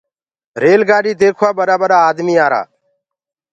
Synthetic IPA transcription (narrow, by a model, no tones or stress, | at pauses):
ɾeːlɡaːɗiːd̪eːkʰwaːbəɾaːbəɾaːd̪miːaːɾa̰ː